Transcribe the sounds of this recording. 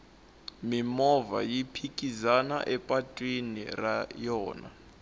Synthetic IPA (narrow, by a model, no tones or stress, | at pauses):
mimɔva̰jipʰikʼizana̰ʔɛpʼatʼwinḭrajɔːna̰